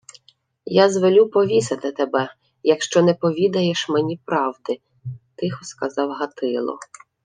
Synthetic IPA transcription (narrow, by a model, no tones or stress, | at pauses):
jɑzʋɔlʲupɔʋʲisɐt̪ɪt̪ebɛ | jɐkʃt͡ʃɔnɛpɔʋʲid̪ɐjeʃmɛnʲipɾɑwd̪ɪ | t̪ɪxʊskɐzɑwɦɐt̪ɪlˠɔ̰